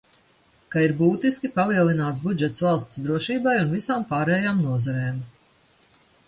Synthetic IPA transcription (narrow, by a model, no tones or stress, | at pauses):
kaiɾbuːt̪iskʲipalˠiɛlˠinaːt̪sbud͡ʒɛt̪svalˠst̪sd̪ɾuɔʃiːbajunvisaːmpaːɾɛːjaːmnuɔzaɾɛːm